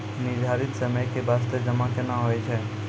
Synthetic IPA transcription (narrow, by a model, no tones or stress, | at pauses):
nɪd͡ʒʱaɾit̪səməjkebast̪ed͡ʒəmakenaɦoɛt͡ʃʰɛ